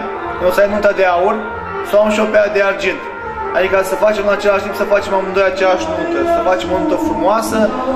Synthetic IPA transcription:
nosajmnut̪ad̪eaur | sawamʃiopead̪e̞ard͡ʒint̪ | ad̪ikəsəfat͡ʃemɨnat͡ʃe̞laʃt̪impsəfat͡ʃe̞mamɨnd̪ojat͡ʃejaʃnut̪əsəfat͡ʃe̞monut̪əfɾumoasə

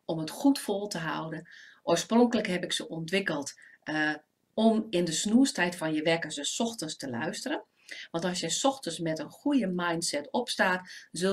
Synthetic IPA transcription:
ɔmətxutfolˠtəɦa̰wdənʔoːsproŋkələkhɛpɪksəʔɔntʋɪkəlˠt | ɔmɪndəsnuəstɛjtfɔnjəʋɛkəsəsɔxtənstəlœ̰ɥstərən | ʋɑ̃ntɑsjəsɔxtənsmɛtənxujəmajntsɛtɔpstaːtzø

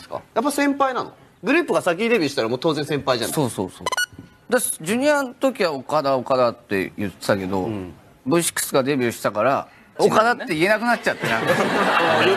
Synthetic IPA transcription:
sɨ̥ka̰jap̬ːaisẽ̞mpainano̰ | ɡɯ̟ɾɯ̟ːpɯ̟ɡasak̬ʲiːd̪e̞bʲjɯɕi̥t̪aɾamoːt̪o̞ːzẽsẽmpaiza̰so̞ːso̞̰ːso̰ː | d̪ḁd͡ʑɨɲ̟iant̪o̞kʲiβaokad̪aokad̪at̪ːe̞̰jɯ̟t̪ːe̥t̪ake̞d̪o̞̰ | bɯ̟ɕi̥kːɯ̥sɨɡad̪e̞bʲjɯɕi̥t̪akaɾa | o̞kad̪at̪ːe̞ie̞nakɯnat͡ɕt͡ɕat̪ːenã

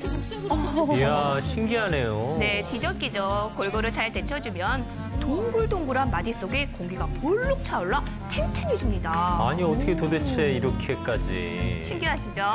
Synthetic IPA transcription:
jaɕʰiŋɡiɦane̞jone̞tid͡ʑʌt̚k͈id͡ʑokʌɭɡʌɾɯɭt͡ɕaɭte̞t͡ɕʰʌd͡ʑimjʌn | toŋɡuɭdoŋɡuɾɦanmadis͈oɡe̞koŋɡiɡapoɭːok̚t͡ɕʰaoɭːa | tʰentʰeɲiɕʰimɲidaaɲiʌtʰʌkʰetodet͡ɕʰe̞iɾʌkʰe̞k͈ad͡ʑḭɕʰiŋɡiɦaɕʰid͡ʑo

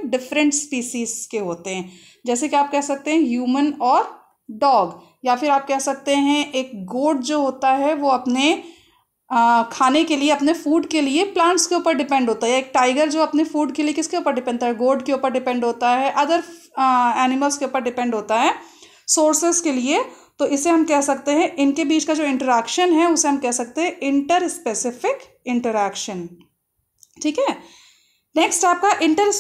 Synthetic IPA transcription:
ɖɪfɾə̃ɳʈspiːʃiːzkeɦoːt̪eɦɛ̃ː | d͡ʒɛːsekiaːp̚kɛɦsɐk̚t̪eɦɛ̃ɦjuːmənɔːɾ | ɖɔːɡ | jafɪɾaːp̚kɛɦsɐk̚t̪eɦɛ̃ʔeːk̚ɡoːɖ̚d͡ʒoːɦoːt̪aɦɛʋoɐpne | kʰaːnekelieɐpnefuːɖkelieplãːɳʈskeuːpəɾɖɪpɛ̃ɳɖɦoːt̪aɦɛjeːk̚ʈaːɪɡəɾd͡ʒoːɐpnefuːɖkeliekɪskeuːpəɾɖɪpɛ̃ɳɖt̪aɦɛɡoːɾɖkeuːpəɾɖɪpɛ̃ɳɖɦoːt̪aɦɛʔɐd̪əɾ | ɛːnɪməlskeuːpəɾɖɪpɛ̃ɳɖɦoːt̪aɦɛː | soːɾsɪskeliet̪oɪseɦɐmkɛɦsɐkt̪eɦɛ̃ʔɪnkebiːt͡ʃkad͡ʒoːɪ̃ɳʈəɾɛːkʃənɦɛʊseɦɐmkɛɦsɐk̚t̪eɦɛ̃ʔɪ̃ɳʈəɾspesɪfɪk | ɪ̃ɳʈəɾɛːkʃən | ʈʰiːkɦɛː | neːksʈaːp̚kaʔɪ̃ɳʈəɾ

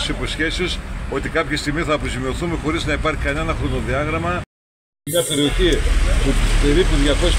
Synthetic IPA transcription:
siposçe̞sioso̞t̪ikɐpçe̞st̪iɣmisθɐːpɾozimio̞θumexo̞ɾiznɐipɐɾçi̥kɐne̞nɐxɾo̞no̞ðiɐɣɾɐmɐ | mɲɐpe̞ɾioçipupe̞ɾipuðʝɐko̞s

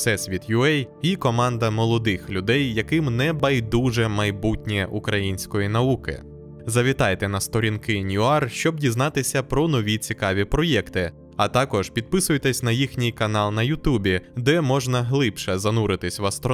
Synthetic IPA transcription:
sɛsʋʲid̪jʊɛjikɔmɑnd̪ɐmɔlˠɔd̪ɪxlʲʊd̪ɛjːɐkɪmnɛbɐjd̪uʒɛmɐjbutʲnʲiʔukɾɐjinʲsʲkɔjinɐukɪ̰ | zɐʋʲit̪ɑjt̪ɛnɐst̪ɔɾʲinkɪnʲjʊɑrʃt͡ʃɔbdʲiznɑt̪ɪsʲɐpɾɔnɔʋʲit͡sʲikɑʋʲipɾɔjɛkt̪ɪ | ɐt̪ɑkɔʒpʲid̪̚pɪsʊjt̪ɛsʲnɐjixnʲɪjkɐnɑlˠnɐjʊt̪ubʲid̪ɛmɔʒnɐɦlˠɪpʃɛzɐnuɾɪt̪ɪsʲʋɐst̪ɾɔ

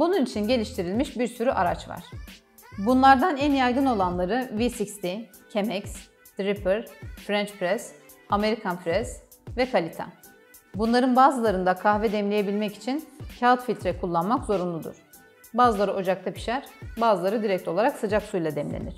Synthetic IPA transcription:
bununit͡ʃʰinɟe̞lʲiʃt̪ʰiɾilʲmiʃbiɾsyɾyʔaɾa̰t͡ʃva̰ɾ̥ | bunlˠaɾd̪anænjajɡɯno̞lˠanlˠaɾɯvisikst̪ʰi | cʰemɛcs | d̪ɾipʰɛɾfɾɛnt͡ʃpɾɛs | ame̞ɾikʰanfɾɛs | vɛkʰalʲit̪ʰa̰ | bunlˠaɾɯnbaːzɯlˠaɾɯnd̪akʰahvɛd̪ɛmlʲeje̞bilʲmɛci̥t͡ʃʰincʰat̪filʲt̪ɾɛkʰulˠːanmakzo̞ɾunlˠud̪ṵɾ̥ | baːzɯlˠaɾɯʔo̞d͡ʒak̚t̪ʰapi̥ʃæɾbaːzɯlˠaɾɯd̪iɾɛc̚t̪ʰʲo̞lˠaɾaksɯd͡ʒaksujlˠad̪ɛmlʲḛnḭɾ̥

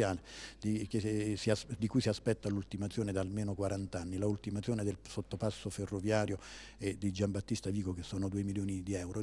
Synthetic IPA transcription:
aːled̪ikesiasd̪ikujsiaspɛt̪ːalult̪imat̪sjoːned̪almeːnokwaɾant̪anːilault̪imat̪sjoːned̪elsot̪ːopasːoferːovjaːɾjoed̪id͡ʒambat̪ːist̪aviːkokesːoːnod̪uːemiljoːnid̪iɛwɾo

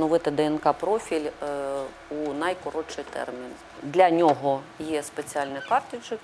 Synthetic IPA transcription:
nɔʋɪt̪ɪd̪ɛɛnkɑpɾɔfʲilʲ | unɐjkɔɾɔt͡ʃɪjt̪ɛ̰rmʲin | d̪lʲɐnʲɔɦɔ | jɛspet͡sʲiɑlʲnɪkɑrt̪ɪd͡ʒɪk

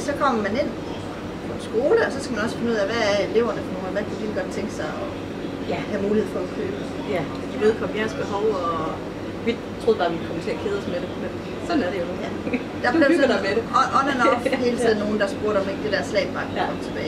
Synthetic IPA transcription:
sɒ̽kʰɒ̽m̰ɐmæne̝n̰ | pʰɒ̽ensɡ̥o̝ːləɒ̽sɒ̽sɡ̥æmænɒ̽sfe̝nəuð̰ˠæʋææele̝ʊ̰ɐnəfɒno̝ːnʋækʰud̥ilɡ̥ɒ̽d̥̚t͡sʰeŋɡ̥sɑ̈ɪɒ̽ | jæhæmuːlihe̝ð̰ˠfɒ̽ɒkʰø̰ːb̥ə | j | d̥i̥leð̩ˠkʰɒ̽ʋiæsɡ̥̚b̥eɦɒʊɒ | ʋi̥ | t͡sʰʁo̝ð̩ˠb̥ɑːʋikʰɒ̽mət͡sʰe̝ɐkʰe̝ðˠsmed̥emen | sɒ̽d̥n̩æɐɾejojæ | d̥ɑbleʊse̥ʔɒnænɒhe̝ːlət͡sʰið̞ˠn̩ːo̝ːn̩d̥ɑsb̥uɐɾ̥ɒ̽meɡ̥̚d̥e̝d̥æɐslɛ̰ɪ̥b̥ɑ̈ːkʰækɒ̽m̰t͡sʰe̝b̥ɛ̰ː

